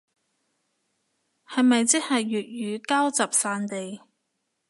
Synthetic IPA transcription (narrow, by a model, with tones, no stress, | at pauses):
hɐ˨jmɐ˨jt͡sɪ˥hɐ˨jːyː˨˩t̚jyː˨˧kaː˥wt͡sɐ˨p̚saː˧nt̪e˨j